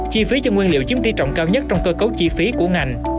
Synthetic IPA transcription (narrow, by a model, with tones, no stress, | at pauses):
t͡ɕi˧fi˨˦t͡ɕɔ˧ŋwi˧nlḭ˧˨əwt͡ɕi˨˦əmt̪i˧t͡ɕɔ̰˧˨wŋ͡mkaː˧wɲə˦˥t̚t͡ɕɔ˧wŋ͡mkəː˧kə˨˦wt͡ɕi˧fi˨˦ku˧˩əŋa˨˩jŋ̟